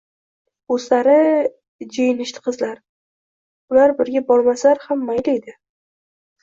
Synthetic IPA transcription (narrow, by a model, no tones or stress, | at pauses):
oslaɾɪ | d͡ʒejɪnɪʃt̪ʰɪ̥qʰɨzlaɾ | ʊlaɾbɪɾɡʲabɒɾmaslaɾhamːajlejd̪ɪ